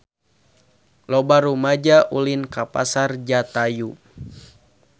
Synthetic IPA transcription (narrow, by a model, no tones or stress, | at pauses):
lɔbaɾumad͡ʒaʔulinkapa̰sard͡ʒat̪aju